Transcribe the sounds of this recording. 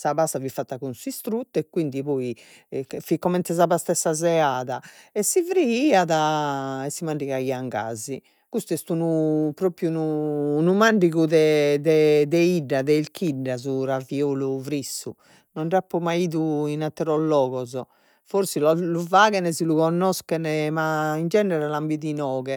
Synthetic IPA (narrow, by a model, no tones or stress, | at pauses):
saβasavifːat̪ːakunsuist̪ɾut̪ːɛkːwind̪iβɔːi | fikːɔmɛnt̪ɛzaβast̪ɛsːazɛaːðaɛsːivɾiiːaðaɛsːimaɳɖiɣaiaŋɡa̰ːzi | kust̪uɛst̪unupɾoːpɾjunuːnumaɳɖiɣuðɛd̪ɛd̪ɛiɖːaðɛilkʰiɖːazuɾavioluvɾisːu | nɔɳrapːɔmaiːðuinat̪ːɛɾɔlːɔːɣɔzɔ | foɾsilɔluvaːɣɛnɛziluɣɔnːɔskɛnɛmaind͡ʒɛnɛɾɛlambiðinɔːɣɛ